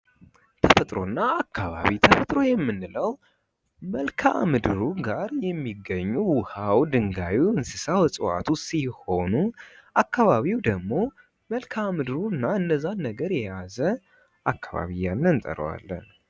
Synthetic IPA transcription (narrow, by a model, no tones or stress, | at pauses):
t̪ʰəfət̪ʼɾo̞̰nːaakʰːaβa̰βit̪ʰəfət̪ʼɾo̞jɛmːɨnːɨləw | məlkʰamɨd̪ɨɾuɡaɾjɛmːiɡːəɲːuwʊhawd̪ɨŋɡawiwɨnsɨsawsʼɨwa̰t̪ʰusiho̞nuʔakːaβaβiwd̪əɡmo̞ | məlkʰamɨd̪ɨɾunːaɨnːəzːanːəɡəɾjɛjazə | ʔakːaβa̰βijːanːnt̪ʼə̰ɾə̰wa̰lːə̰n